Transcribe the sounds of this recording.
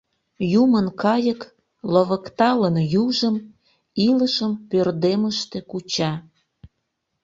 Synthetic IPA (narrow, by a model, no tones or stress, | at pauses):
jumənkɑjək | loβəkt̪ɑlənjuʒəm | iləʃəmpørd̪eməʃt̪e̽kut͡ɕɑ